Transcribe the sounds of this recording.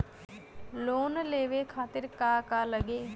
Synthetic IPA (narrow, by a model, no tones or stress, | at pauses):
loːnleːʋeːkʰaːt̪ɪɾkaːkaːləɡeː